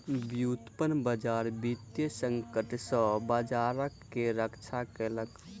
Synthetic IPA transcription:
bjut̪pənbəd͡ʒaɾbit̪jəsəŋkəʈsə̃bəd͡ʒaɾəkːeɾəkt͡ʃʰakɛlək

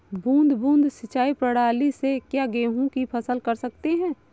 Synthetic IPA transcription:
bũːnd̪ʱbũːnd̪ʱsɪt͡ʃaːipɾəɽaːlisekjaɡeːɦũkipʰɐsəlkɐɾsɐk̚t̪eɦɛ̃ː

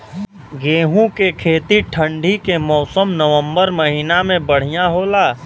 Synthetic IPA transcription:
ɡeːɦũkekʰeːt̪iʈʰə̃ɳɖʱikemɔːsəmnəʋə̃mbəɾmɐɦiːnamẽbəɽ̤ijaɦoːlaː

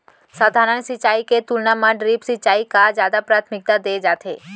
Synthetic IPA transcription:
sad̪ʱaɾənsit͡ʃaiket̪ulnamãɖɾipsit͡ʃaikad͡ʒad̪apɾat̪ʰmɪk̚t̪ad̪ed͡ʒat̪ʰe

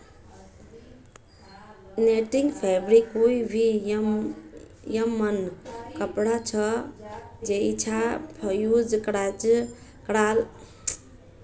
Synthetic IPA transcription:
neʈiŋɡpʰebɾikɦujbʱi | jəmːənkəpɽat͡ʃʰʌ | d͡ʒeit͡ʃʰapʰəjud͡zkɾat͡ʃ | kɽal

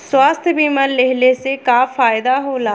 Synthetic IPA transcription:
swaːst̪ʰjbʱiməlleɦlesekaːfaːjd̪aɦoːlaː

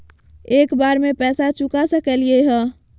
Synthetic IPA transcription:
ekbaɾmepɛsat͡ʃukasəkelieɦə̃

